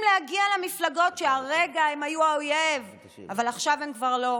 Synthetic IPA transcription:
mlehaɡialemiflaɡo̞tʃeaʁeɡaemajuaojev | avalaχʃavemkvaʁlo̞

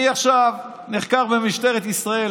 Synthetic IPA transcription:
iaχʃav | neχkaʁbemiʃt̪eʁet̪isʁael

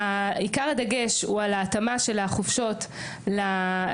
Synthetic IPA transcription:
aikaʁad̪aɡe̞ʃualaːt̪amaʃe̞laχofʃo̞t | la

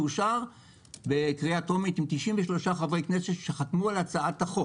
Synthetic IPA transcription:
uʃaʁ | bekʁiato̞mit̪imt̪iʃimveʃlo̞ʃaχavʁejknesetʃeχatmualat͡saataχo

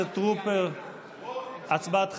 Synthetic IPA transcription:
et̪ʁupeʁ | at͡sbat̪χ

